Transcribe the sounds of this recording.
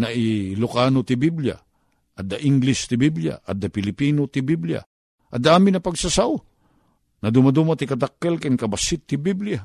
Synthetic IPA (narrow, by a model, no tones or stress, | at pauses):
naʔilʊkanot̪ɪbiblja̰ | ʔɐt̪d̪aʔɪŋɡlɪst̪ɪbiblja̰ʔɐ̰d̪apɪlɪpinot̪ɪbiblija̰ | ʔɐd̪aʔaːmɪnɐpɐɡsasaʔo | nɐd̪ʊmad̪umat̪ikɐd̪akːɛlkɪnkɐbasɪt̪ːɪbiblja